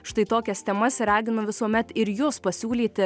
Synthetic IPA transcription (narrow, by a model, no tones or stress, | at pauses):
ʃt̪ɐɪt̪oːkʲɛst̪ʲɛmɐsɾɑːɡʲɪnʊʋʲɪsuɔmʲɛt̪ɪɾjoːspɐsʲuːlʲiːt̪ʲɪ